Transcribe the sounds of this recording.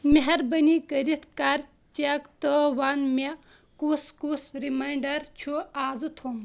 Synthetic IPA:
mɐɦɐɾbɐnikəɾit̪ʰkaɾ | t͡ʃakt̪əʋanme | kuskusɾimajɳɖɐɾt͡ʃʰuaːd͡zɨt̪ʰom

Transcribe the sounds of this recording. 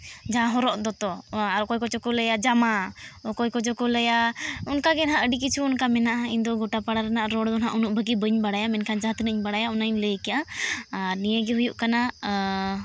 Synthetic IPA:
d͡ʒãɦɔɾɔʔd̪ɔt̪ɔaɾɔkɔjkɔt͡ʃɔkɔlɛjad͡ʒamaɔkɔjkɔt͡ʃɔkɔləjaunkaɡɛnɦaʔəɖik̬it͡ʃʰuːnkamɛnaʔaiɲd̪ɔɡɔʈapaɽaɾanaʔɾɔɽd̪ɔnɦaʔunuʔ̚bəɡibəɲbaɽajamɛnkʰand͡ʒaɦat̪nəɲbaɽajaɔnaɲləjkɛjaanijəɡɛɦujuʔkana

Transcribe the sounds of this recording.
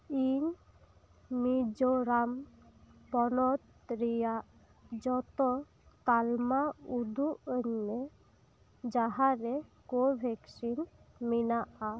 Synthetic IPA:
iɲ | mid͡ʒɔɾam | pɔnɔt̪̚ | ɾijaʔ | d͡ʒɔt̪ɔ | t̪almaud̪ʱuəɲnɛ | d͡ʒaɦaɾɛkobʱɛksinminaʔa

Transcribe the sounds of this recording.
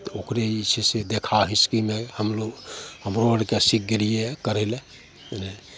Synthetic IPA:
t̪okɾeit͡ʃʰesed̪ekʰaɦiskimehəmloɡhəmɾoəɽkesik̚ʰɡelijekəɾɛle | ne

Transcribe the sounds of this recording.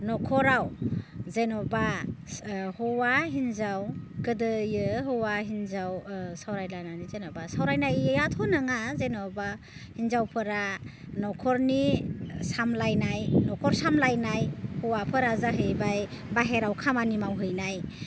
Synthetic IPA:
nɔkʰɔɾawzenɔba | hɔwaɦinzawkɯdɯjɯɦɯwaɦinzawsawɾajlananizenɔbasawɾajnajɯjatʰɔnɯŋazenɔba | hinzawpʰɯɾa | nɔkʰɔɾnisamlajnajnɔkʰɔɾsamlajnajhɔwapʰɯɾazaɦɯjbaj | baɦeɾawkʰamanimawɦɯjnaj

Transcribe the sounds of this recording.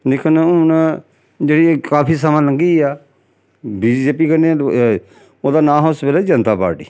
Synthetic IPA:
lɪkʰənnː | d͡ʒeːɽiːkaːpʰiːs̬əmãːləŋɡiːaː | biːd͡ʒeːp̬iːkəne | oːd̪aːnãːɦoːsəpeːlad͡ʒənt̪aːpa̰ːɾʈḭː

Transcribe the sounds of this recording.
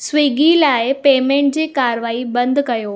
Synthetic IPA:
sʋiːɡilaːɪpeːmẽɳʈ̚d͡ʑiːkaːɾʋaːibɐ̃nd̪ʱkɐjoː

